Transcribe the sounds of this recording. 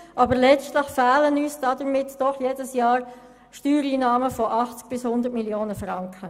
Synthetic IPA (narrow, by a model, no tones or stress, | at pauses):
ʔɑbəɾlɛt͡stləχfæːlənyːsd̥ɑdəɾmɪtd̥ɔχjeːdəsjɑːɾ | ʃtyːɾiːnɑːməfɔʔɑχt͡sk̚b̥ɪshʊnd̪ətmiljoːnəfrɑŋkʰχə